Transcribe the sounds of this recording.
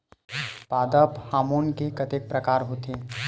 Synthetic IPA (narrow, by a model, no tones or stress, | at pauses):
paːd̪əphaːmoːnkekɐt̪ek̚pɾɐkaːɾɦot̪ʰeː